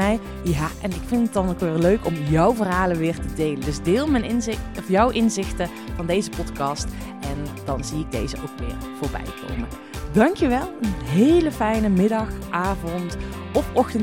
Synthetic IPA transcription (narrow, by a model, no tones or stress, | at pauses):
ɛj | jaːʔɛnɪkfɪntət̚dɑnokʋɪːɹløɥkɔmjʌwvərɦaːlənʋɪːɹtədejləndɵzdɪːlˠmɛnnɔfjʌwʔɪnzɪxtə | v̥ɑndejzəpɔtkɑst | ɛnd̥ɑnziɪɡ̚dejzəʔowkʋɪ̰ːɹv̥ʊːɹbɛ̰jkʰo̰wmə | dɑŋkjəʋɛlˠənɦejləfɛjnəmɪdɑxʔaːvɔnt | ɔpɔxtən